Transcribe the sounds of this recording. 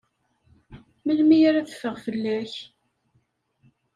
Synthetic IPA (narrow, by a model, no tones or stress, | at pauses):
məlmijaɾaθəfːəʁfəlːæç